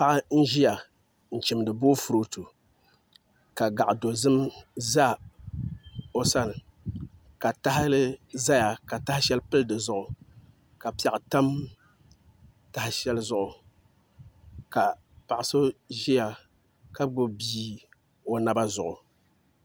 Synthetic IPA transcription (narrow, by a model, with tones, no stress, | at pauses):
pa˦ʔa˦n̩˦ʒi˦ja˨ | n̩˨t͡ʃɪ˨m˨dɨ˨boː˦fu˨ɾo˦tu˨ | ka˨ɡa˨ʔdo˨zɨ˦mza˦ | o˦sa˦n˨ | ka˨ta˦ɦɪ˦lɨ˦za˦ja˨ka˨ta˦hɪ˦ʃɛ˦lpɨ˦ldɨ˨zʊ˨ʔʊ˨ | ka˨pi˨a˨ʔta˦m | ta˨hɪ˦ʃɛ˦lzʊ˦˨ʔʊ˨ | ka˨ | pa˨ʔɪ˨so˦ʒi˦ja˨ | ka˦ɡ͡bʊ˦biː˦ | o˨na˦ba˦zʊ˨ʔʊ˨